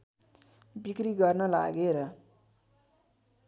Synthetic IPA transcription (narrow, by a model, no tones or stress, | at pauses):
bikriɡʌrnʌla̰ɡeɾʌ